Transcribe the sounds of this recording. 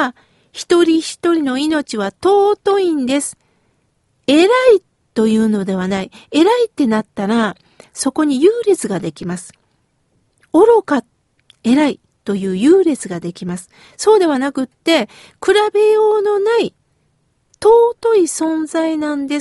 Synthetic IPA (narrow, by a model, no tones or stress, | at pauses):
çi̥t̪o̞ɾʲiçi̥t̪o̞ɾʲino̞ino̞t͡ɕiβat̪o̞ːt̪o̞ĩnd̪e̞sɨ̥ | e̞ɾai | t̪o̞jɯ̟ːno̞d̪e̞β̞anaie̞ɾait̪ːe̞nat̪ːaɾa | so̞ko̞ɲ̟ijɯːɾe̞t͡sɨɡad̪e̞kʲimasɨ̥ | o̞ɾo̞ka | e̞ɾai | t̪o̞jɯ̟ːjɯ̟ːɾe̞t͡sɨɡad̪e̞kʲimasɨ̥ | so̞ːd̪e̞βanakɯ̟t̪ːe̞ | kɯ̟ɾabe̞jo̞ːno̞nai | t̪o̞ːt̪o̞isõ̞nzainãnd̪e̞s